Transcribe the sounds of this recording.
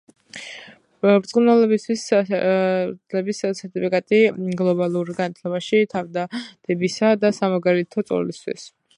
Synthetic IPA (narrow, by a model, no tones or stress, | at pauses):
bɾt̪sʼunɛlˠɔbist̪ʰwis | lɛbissɛɾt̪ʼipʰikʼat̪ʼiɡlˠɔbalˠuɾɡanat̪ʰlɛbaʃit̪ʰavd̪ad̪̥ɛbisad̪asamaɡaɾɛt̪ʰɔt̪sʼɔ̰list̪ʰwḭs